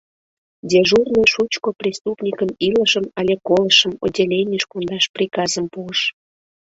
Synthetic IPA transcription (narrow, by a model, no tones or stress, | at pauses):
dʲeʒurnojʃut͡ɕkoprʲist̪upnʲikəmiləʃəmɑlʲekoləʃəmo̰dʲelʲejnʲəʃkond̪ɑʃprʲikɑzəmpuəʃ